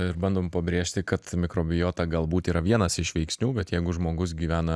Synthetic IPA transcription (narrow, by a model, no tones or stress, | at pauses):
ɪɾbɐnd̪oːmpɐbʲɾʲeːʃʲt̪ʲɪkɐt̪mʲɪkɾoːbʲɪjoːt̪ɐɡɐlˠbuːt̪iːɾɐʋʲiɛnɐsɪʃʋʲɛɪksʲnʲuːbʲɛt̪jɛɪɡʊʒmoːɡʊs̬ɡʲiːʋʲæːnɐ